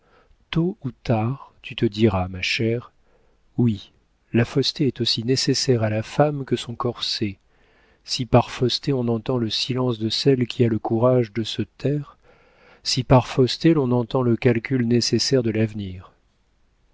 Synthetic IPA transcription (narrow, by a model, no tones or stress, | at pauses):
t̪out̪aʁt̪yt̪əd̪iʁamaʃɛʁ | wi | lafɔst̪eɛt̪osinesesɛʁalafamkəsɔ̃kɔʁse | sipaʁfɔst̪eɔ̃nɑ̃t̪ɑ̃ləsilɑ̃sd̪əsɛlkʲialəkuʁaʒd̪əsət̪ʰɛːʁ | sipaʁfɔst̪elɔ̃nɑ̃t̪ɑ̃ləkʲalkʲylnesesɛʁd̪əlavniːʁ